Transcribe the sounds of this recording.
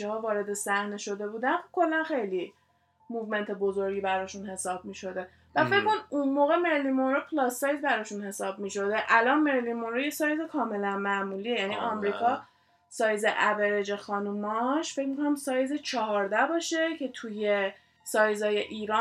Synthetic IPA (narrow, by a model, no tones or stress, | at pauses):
ehɒːvɒːɾe̞d̪e̞sæhne̞ʃo̞d̪e̞buːd̪ænxokʰo̞lːænxejli | muvme̞nt̪ʰe̞bozoɾɡibæɾɒːʃunhe̞sɒːb̚miːʃo̞d̪e̞ | væfecko̞nid̪ʔunmoːɣe̞me̞ɾlimonɾopʰlɒsːɒjzbæɾɒːʃunhe̞sɒːb̚miːʃo̞d̪e̞ʔælɒnme̞ɾlimonɾojesɒːjzekʰɒːme̞lænmæmuːliːejæniʔɒmɾiːkʰɒ | sɒːjzeʔæveɾed͡ʒe̞xɒːnumɒʃfe̞cmikʰo̞næmsɒːjzet͡ʃʰɒɦɒɾd̪æbɒːʃe̞cʰe̞t̪ʰuje | sɒːjzɒːje̞ʔiːɾɒ